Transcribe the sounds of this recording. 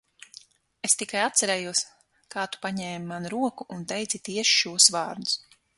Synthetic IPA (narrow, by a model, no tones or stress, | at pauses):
est̪ikajat̪sɛɾɛːjuɔs | kaːt̪u̥paɲɛːmimanuɾuɔkuʔunt̪ɛjd̪zʲit̪iɛʃi̥ʃuɔsvɑːɾd̪us